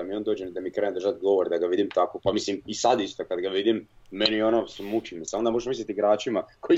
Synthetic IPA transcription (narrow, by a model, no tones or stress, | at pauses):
amio̞ːnd̪oːd͡ʑend̪amikɾeːnemd̪ɾrʒat̪ɡo̞ʋoɾd̪aɡaʋid̪imt̪akopamislimisad̪ist̪okad̪ɡaʋid̪imː | enionosumut͡ʃimisamod̪amo̞ʒeʃmis̬lʲet̪iɡɾaːt͡ʃimakoi